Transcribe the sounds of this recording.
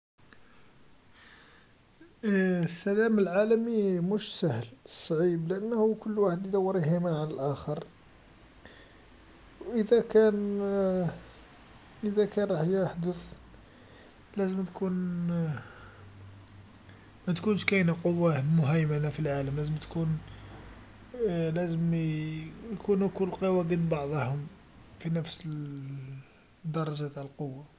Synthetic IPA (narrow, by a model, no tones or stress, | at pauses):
sːælæməlʕalæmimʊʃsəhlsˤːʕiblɪʔənːhukʊlːwaħəd̪jd̪ɑwːəɾjhimaʕanəlʔæxəɾˤ | wʔəd̪ækæn | ʔəd̪ækænɾˤɑħjaħd̪əθ | læzəmt̪kʰun | mæt̪kunʃkæjnaqowːamʊɦæjmænafilʕaləmlæzəmt̪kun | læzəm | jkunukʊlqowæɡinbɑʕd̪ˤɑhʊm | finəfsə | d̪ːɑɾˤɑʒæt̪ʕləlqowːa